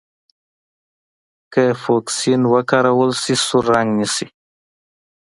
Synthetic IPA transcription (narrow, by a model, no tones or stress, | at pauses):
kəfoksinwəkaɾawəlsisuɾːaŋɡnisi